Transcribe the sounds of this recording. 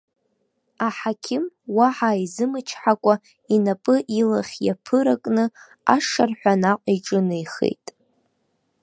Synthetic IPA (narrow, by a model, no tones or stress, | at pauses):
aħakʲʰɪmwaħaizɨmɨt͡ʃʰħakʷʼa | inapʼɨʔilaχʲja̰pʰɨɾakʼnɨ | a̰ʂarħʷᶣanaqʷʼiʈ͡ʂʼɨnɨjχḛjtʼ